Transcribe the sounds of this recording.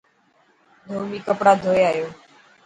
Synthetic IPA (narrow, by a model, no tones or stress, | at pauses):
d̪ʱoːmiːkəpɽaːd̪ʱoːjaːjoː